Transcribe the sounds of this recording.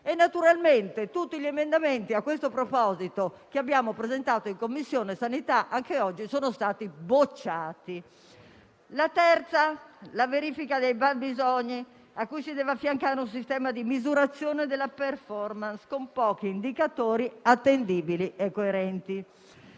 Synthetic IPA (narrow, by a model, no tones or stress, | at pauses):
enːat̪uɾalment̪et̪ut̪ːiʎiɛmend̪ament̪iakːwest̪opɾɔpɔzit̪okeabːjaːmopɾezɛnt̪aːt̪oiŋkomːisːjoːneɛsanit̪aʔaŋkeɔd͡ʒːisoːnost̪aːt̪ibot͡ʃːaːt̪i | lat̪ɛɾt̪salaveɾiːfikad̪ejbabizɔɲːi | akːujsid̪ɛːvafːjaŋkaːɾeuns̬ist̪ɛːmad̪imizuɾat̪sːjoːned̪elːaperfɔrmanskompɔːk̟iːnd̪ikat̪oːɾiat̪ːend̪iːbiliɛkːoeɾɛnt̪i